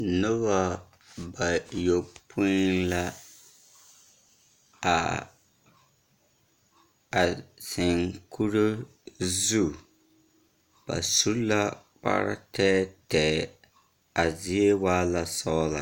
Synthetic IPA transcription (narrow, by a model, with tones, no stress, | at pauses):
nʊ˦ba˦ | ba˨jo˨pʰʊ˦nla˦ | a˨ | a˨sɪ˨ŋkʰu˦ɾo˦ | zu˦ | b̥a̰˨su˦la˦k͡pa̰˦ɾɪ̰˦tɛ˦tɛː˨ | a˨zɪ˦e˦waː˦la˦sɔ˦la̰˨